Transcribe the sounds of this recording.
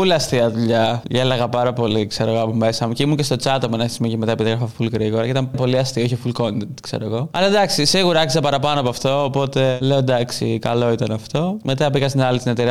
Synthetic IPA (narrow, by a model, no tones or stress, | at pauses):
ulɐst̪iɐðuʎɐelɐɣɐpɐɾɐpo̞likseɾo̞ɣoɐpo̞mesɐmuceimuce̞st̪o̞t͡sɐt̪opuenɐçismicemet̪ɐepiðiɣɾɐfɐfulɣɾiɣo̞ɾɐceit̪ɐmpo̞liɐst̪iooçifulko̞nt̪ent̪ksḛɾoɣo̞ɐ̰lɐd̪ɐksisiɣuɾɐɐkisɐpɐɾɐpɐnoɐpoɐft̪o̞ːpo̞t̪e̞leo̞d̪ɐksikɐlo̞it̪ɐnɐft̪o̞me̞t̪ɐbiɣɐsinɐlist̪inet̪eɾiɐ